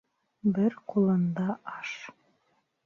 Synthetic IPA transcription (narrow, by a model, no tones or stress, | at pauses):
bɘɾqulˠɤ̆nd̪ɑʔɑʃ